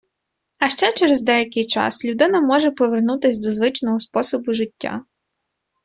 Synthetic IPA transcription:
ɐʃt͡ʃɛt͡ʃɛɾezd̪ɛjɐkɪjt͡ʃɑ̰slʲʊd̪ɪnɐmɔʒepɔʋernut̪ɪsʲd̪ɔzʋɪt͡ʃnɔɦɔspɔsɔbʊʒɪtʲːa̰

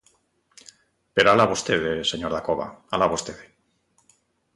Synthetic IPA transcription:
peɾoalaβost̪eðeseɲoɾðakoβa̰alaβost̪eðe

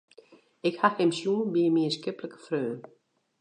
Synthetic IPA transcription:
ɪkhahɪmsjuːnbiːəmiəskɪpləkə̥frøː

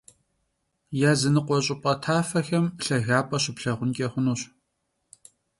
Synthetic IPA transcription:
jaːzɨnɨqʷɔɕʼɪpʼɐtʰaːfɐxɐmɬɐɣaːpʼɐɕɪpɬɐʁʷʊnkʲʼeχʷʊnuːɕ

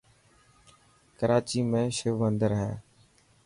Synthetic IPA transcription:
kəɾaːt͡ʃiːmẽːʃʊʋənd̪əɾɦɛː

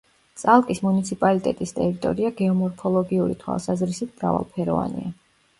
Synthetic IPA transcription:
t̪sʼalˠkʼismunit̪sʰipʼalit̪ʼɛt̪ʼist̪ʼɛɾit̪ʼɔ̰ɾiaɡɛɔmɔɾpʰɔlˠɔɡiuɾḭt̪ʰwa̰lˠsazɾisit̪ʰmɾa̰va̰lˠpʰɛɾɔ̰va̰nḭa

